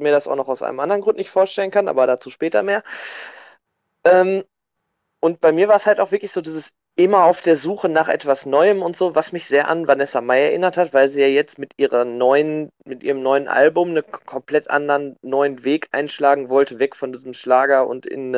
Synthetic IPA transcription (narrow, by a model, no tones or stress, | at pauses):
miːɐɾasaʊxnɔχaʊsʔa̰ɪnmʔa̰ndɐʁnɡʁʊntnɪçtfoːɐʃtɛlənkʰanʔa̰ːbɐɾat͡suːʃpɛːtɐ̰meːɐ | ʔɛːm | ʔʊntb̥aɪmiːɐvaːɐəshaltaʊfvɪɐklɪçz̥oːdiːzəs | ʔɪmɐaʊfd̥eːɐzuːxənaːχʔɛ̰tv̥asnɔʏəmʊntz̥oːvasmɪçz̥eːɐʔa̰nvanɛsamaɪɛɐʔɪnɐthatv̥aɪlziːjaːjɛt͡stmɪtʔiːʁɐnɔʏən | mɪtʔiːʁəmnɔʏənʔa̰lbʊmnənkʰɔmpl̥ɛtʔa̰ndɐənːɔʏənveːkʔa̰ɪnʃlaːɡŋ̩vɔltəvɛkfɔndiːzəmʃlaːɡɐʔʊ̰ntɪ̰n